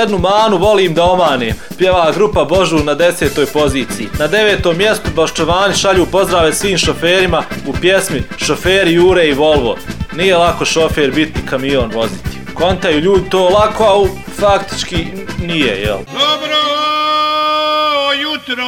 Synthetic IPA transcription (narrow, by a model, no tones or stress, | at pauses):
jd̪numaːnuʋo̞liːmd̪ao̞maːneːmpjeʋaːɡɾupabo̞ʒuːnad̪e̞se̞ːt̪o̞ːjpo̞ziːt̪sijinad̪e̞ʋeːt̪oːmːjest̪ubaʃt̪oʋaːniʃaʎuːpo̞zd̪ɾaːʋesʋiːmʃo̞feːɾimaupjesmiʃo̞feːɾijuːɾeiʋo̞lˠʋo̰nijelˠako̞ʃo̞feɾbit̪ikamijoːnʋo̞zit̪i̥ | ko̞nt̪ajuːʎuːd̪it̪oːlakoali | fakt̪i̥t͡ʃki | nijḛjɛ̰l | ju